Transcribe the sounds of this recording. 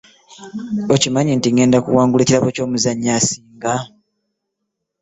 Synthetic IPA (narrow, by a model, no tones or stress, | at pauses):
ocimaɲintiŋɡe̞ːndakṵwaːŋɡuleciɾaβo̞co̞ːmuzaɲːasiːŋɡa